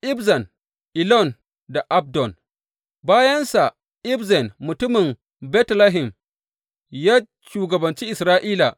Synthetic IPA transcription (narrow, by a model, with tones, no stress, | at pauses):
ʔɪ˦bzɐ˨n | ʔɪ˨lɔ˦˨n | da˨ʔa˦b̚dɔ˨n | baː˦jɐ˦nsa˨ | ʔɪ˦bzɛ˨nmʊ˨tʊ˦mɪ˨m | bɛ˦tla˦ɦɪ˨m | jaː˦ | ʃuː˨ɡɐ˨bɐ˨nt͡ʃiː˦ʔɪ˨sɾaː˦ʔiː˦la˨ʔ